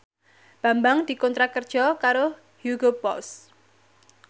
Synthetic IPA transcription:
b̥a̤mbaŋd̪̥i̤kɔnt̪ɾakərd̥ʒ̥ɔkaɾo | huɡopɔs

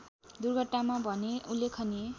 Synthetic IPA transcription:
d̪urɡʱʌʈnamabʱʌneulːekʰʌne

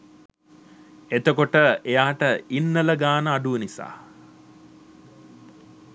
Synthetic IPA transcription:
et̪əkoʈəejaːʈəinːələɡaːnəaɖuʋənisa̰ː

